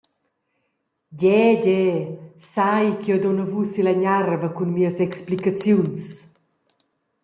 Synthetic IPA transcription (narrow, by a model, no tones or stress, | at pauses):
ɟɛɟɛsajkiɔd̪ɔnəvusilaɲarvəkunmiəsɛksplikat͡sjuns